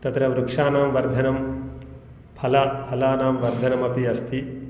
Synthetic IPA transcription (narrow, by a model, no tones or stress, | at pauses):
t̪ɐt̪ɾɐʋɾukʂaːnaːmʋɐɾd̪ʱɐnɐm | pʰɐlɐpʰɐlaːnaːmʋɐɾd̪ʱɐnɐmɐpiɐst̪i